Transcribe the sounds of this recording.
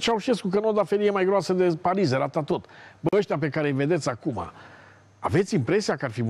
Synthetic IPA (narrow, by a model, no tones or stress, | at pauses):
t͡ʃauʃeskuk̬əno̞d̪afeɾijemajɡɾoasəd̪e̞paɾizeɾat̪at̪o̞t̪bəəʃt̪ʲape̞kaɾe̞jve̞d̪e̞t̪sʲakuma̰ | ave̞t̪sʲimpɾe̞siakəarfim